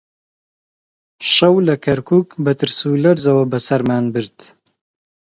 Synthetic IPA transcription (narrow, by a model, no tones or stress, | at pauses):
ʃɐwlɐkʰɐɾkʰuːkbɐt̪ɨɾsuːlɐɾzɐwɐbɐsɐɾmaːnbɨɾd̪̥